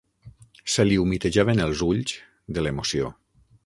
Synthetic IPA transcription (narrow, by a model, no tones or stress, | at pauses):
səliumit̪əʒaβenəlˠzuʎz | ðəlemosio